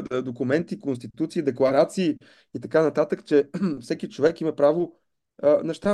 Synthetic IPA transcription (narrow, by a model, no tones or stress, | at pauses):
d̪okumɛnt̪ikonst̪it̪ut̪siːd̪ɛklˠɐɾat̪siː | it̪ɐkanɐt̪at̪əkt͡ʃɛfsɛkit͡ʃovɛkimɐpɾavo | nɛʃt̪a